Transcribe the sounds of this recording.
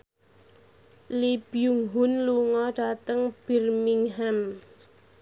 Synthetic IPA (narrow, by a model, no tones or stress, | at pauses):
lib̥ijuŋɦʊnluŋɔɖ̥a̤t̪əŋb̥i̤rmiŋɦam